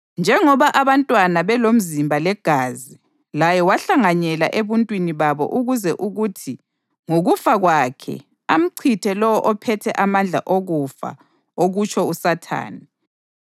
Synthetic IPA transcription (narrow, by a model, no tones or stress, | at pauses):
nd͡ʒʱɛŋɔβaʔaβantʼwanaβɛlom̩zimbʱalɛɡ̥ʱaːzi | lajɛwaɬaŋaɲɛla̰ʔeβuntʼwiniβaβɔ̰ʔuɣuzɛʔuɣutʰi | ŋuɣufaɣwakʰɛ̰ | am̩ǀʰitʰɛlɔwɔʔɔpʰɛtʰɛʔamand͡ɮʱa̰ʔoɣufa̰ | oɣut͡ʃʰɔusatʰa̰ːni